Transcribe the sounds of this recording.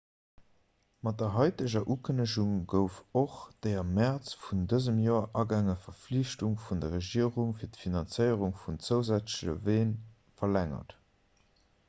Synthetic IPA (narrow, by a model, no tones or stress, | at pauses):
mɑt̚dɐɦɑɪtəʑɐʔuːkʰənəʒuŋɡəʊfoχd̥eɪɐmæʁt͡sfundəzəmjoːɐʔɑɡæŋəfɐfliɕtuŋfundɐʁeʒiːəʁuŋfiːɐtfinɑnt͡səɪəʁuŋfunt͡səʊzæt͡sʒə̰veːn | fɐlæŋɐ̰t